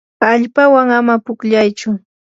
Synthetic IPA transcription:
aʎpawaŋamapʊkʎajt͡ʃʊ

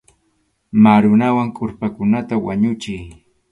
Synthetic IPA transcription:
maɾʊnawaŋkʼʊɾpakʊnat̪awaɲʊt͡ʃɪj

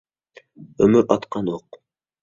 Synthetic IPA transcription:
ømyɾɑt̪qɑnoq

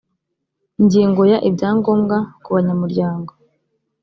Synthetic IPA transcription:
iɲɟiːŋɡo̞jaʔibɟaːŋɡo̞ːmɡakuβaɲamuɾɟaːŋɡo̞

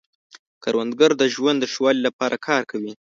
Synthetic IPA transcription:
kɑɾwand̪ɡaɾd̪əʒwand̪ːəʂwɑlilapɑɾʔakʰɑɾkʰawi

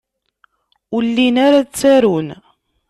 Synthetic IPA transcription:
ulːinaɾat͡sːæɾun

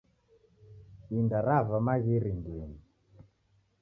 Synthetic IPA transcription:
indaɾavamaɣiɾindini

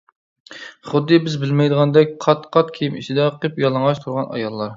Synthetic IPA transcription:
χʊd̪ːɨbɪzbɪlmɛjd̪əʁɑnd̪ɛk̚ʲqʰɑt̪qʰɑt̪̚kʲʰejimit͡ʃʰid̪ɛqʰɨpjɑlˠɑŋʁɑt͡ʃt̪ʰuɾʁɑnʔɑ̰jɑlˠːɑɾ

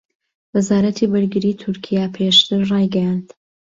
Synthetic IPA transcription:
wɨzaːɾɐt̪ʰiːbɨɾɡɨɾiːt̪ʰʊɾkʰijapʰeːʃt̪ɨɾrɑːjɡɐjand̪̥

